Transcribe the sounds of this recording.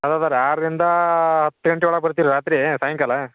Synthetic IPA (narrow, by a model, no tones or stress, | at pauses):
ɐd̪aːd̪aɾaːɾd̪ind̪ɐɦɐt̪ːɨɡɐɳʈiʋɐɭɐpɐɾt̪iːɾuɾaːt̪ɾisaːjɐŋkɐlɐ